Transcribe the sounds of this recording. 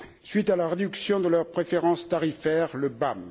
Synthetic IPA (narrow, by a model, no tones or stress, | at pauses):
sɥit̪alaʁed̪yksjɔ̃d̪əlœʁpχefeʁɑ̃st̪aʁifɛʁləbam